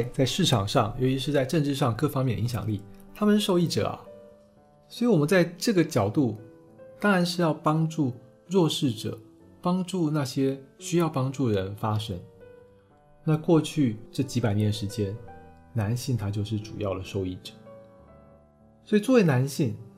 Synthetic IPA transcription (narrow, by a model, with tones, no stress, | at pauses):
t͡sa˥˧ɪʂɻ̩˥˩ʈ͡ʂʰɑ̰˨˩ŋʂɑ˥˩ŋjo˧˥ʊt͡ɕʰi˧˥ʂɻ̩˥˧t͡sa˥˧ɪʈ͡ʂə˥˧nʈ͡ʂɻ̩˥˧ʂɑ˥˧ŋkɤ˥˧˩fɑ˥ŋmjɛ˥˩n˨i˧˥ŋɕjɑ̰˨˩ŋli˥˩t̪ʰa˥mə˨nʂɻ̩˥˧˩ʂo˥˧ʊi˥˩ʈ͡ʂɤ̰˨˩ɐ̰˩ | swɔ˧˥i˨˥wɔ˨˩mə˦nt͡sa˥˧ɪʈ͡ʂɤ˥˩ɡə˩t͡ɕjɑ˨˩ʊt̪u˥˩ | t̪ɑ˥ŋɻa˧˥nʂ̬ɻ̩˥˧jɑ˥˩ʊpɑ˥ŋʈ͡ʂu˥˧ | ɻwɔ˥˧ʂɻ̩˥˩ʈ͡ʂɤ̰˨˩˦ | pɑ˥ŋʈ͡ʂu˥˧na˥˩ɕjɛ˥ɕy˥jɑ˥˩ʊpɑ˥ŋʈ͡ʂu˥˩ɻə˧˥nfa˥ʂɤ˥ŋ | na˥˧kwɔ˥˧t͡ɕʰy˥˧ʈ͡ʂɤ˥˩t͡ɕi˧˥pa˨˩ɪnjɛ˧˥nʂɻ̩˧˥t͡ɕjɛ˥n | na˧˥nɕi˥˩ŋt̪ʰa˥t͡ɕjo˥˧ʊʂ̬ɻ̩˥˩ʈ͡ʂṵ˨˩jɑ˥˩ʊd̪ə˩ʂo˥˧ʊi˥˩ʈ͡ʂɤ̥˨˩˦ | swɔ˧˥i˨t͡swɔ˥˩we˥˩ɪna˧˥nɕi˥˩ŋ